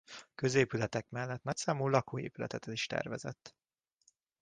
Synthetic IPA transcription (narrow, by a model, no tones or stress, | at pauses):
kø̞zeːpylɛt̪ɛkmɛlːɛt̪nɒcsaːmuːlɒkoːḛːpylɛt̪ɛt̪ɛliʃt̪ɛ̰rvɛzɛ̰t̪ː